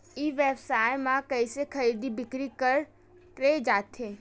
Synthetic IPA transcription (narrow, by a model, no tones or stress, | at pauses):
iːʋeːbsaːjmãkəisekʰɐɾiːd̪ibɪkɾikəɾ | ʈɾeːd͡ʒaːt̪ʰɦeː